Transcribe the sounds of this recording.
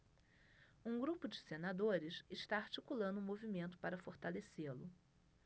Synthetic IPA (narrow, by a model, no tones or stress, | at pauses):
ũɡɾupʊd͡ʒɪsenad̪oɾɪsɪʃt̪aaɾt͡ʃikulɐ̃nd̪ʊ̃ũmovimẽnt̪ʊ̥paɾɐfoɾt̪aleselʊ